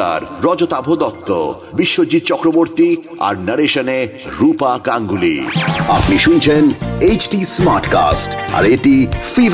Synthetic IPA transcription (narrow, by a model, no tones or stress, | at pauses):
a̰ɾɾɔd͡ʑot̪abʱod̪ɔt̪ːo̰ | biʃːod͡ʑid̪̚t͡ɕɔkɾoboɾt̪i | a̰ɾnaɾeʃane | ɾupakaŋɡulḭapniʃunt͡ɕʰenejt͡ɕʈismaɾʈka̰sʈa̰ɾeʈifi